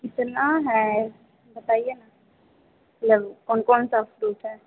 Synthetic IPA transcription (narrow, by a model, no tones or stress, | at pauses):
kɪt̪naɦɛ | bət̪aːiena | mɐt̪ləbkɔːnkɔːnsafɾuːʈɦɛː